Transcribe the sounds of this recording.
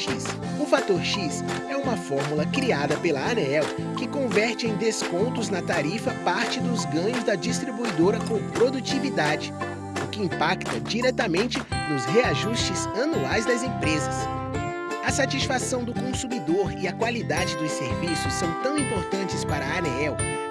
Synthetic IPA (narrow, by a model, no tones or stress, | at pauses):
ʃis | ʊfat̪oɾʃisɛũmɐfɔɾmulɐkɾiad̪ɐpelɐɐnɛɛw | kɪkõvɛɾt͡ʃɪẽj̃d̪eskõnt̪ʊznɐt̪aɾifɐpaɾt͡ʃɪd̪ʊzɡɐ̃ɲʊzd̪ɐd͡ʒist̪ɾibuid̪oɾɐkõpɾod̪ut͡ʃivid̪ad͡ʒɪ | ʊkɪĩpakt̪ɐd͡ʒiɾɛt̪ɐmẽnt͡ʃɪnʊzheaʒuʃt͡ʃɪzɐnuajzd̪ɐzẽpɾezɐs | ɐsat͡ʃisfasɐ̃w̃d̪ʊkõsumid̪oɾɪɐkwalid̪ad͡ʒɪd̪ʊseɾvisʊssɐ̃w̃t̪ɐ̃w̃ĩmpoɾt̪ɐ̃nt͡ʃɪspaɾɐɐnɛɛw